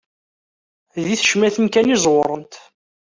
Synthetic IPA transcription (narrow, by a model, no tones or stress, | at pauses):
ðiθə̥ʃmæθənkænizˤwɾˤənt̪